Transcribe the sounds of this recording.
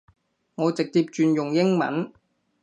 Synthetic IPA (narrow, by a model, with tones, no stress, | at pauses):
ŋɔː˨˧t͡sɪ˨k̚t̪iː˧p̚t͡ʃyː˧njʊ˨ŋjɪ˥ŋmɐ̰˨˥n